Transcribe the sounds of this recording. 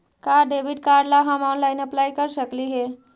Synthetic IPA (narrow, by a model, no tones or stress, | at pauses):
kaɖebʱiʈkaɾɖlaɦamɔnlajnəplajkəɾsəkliɦe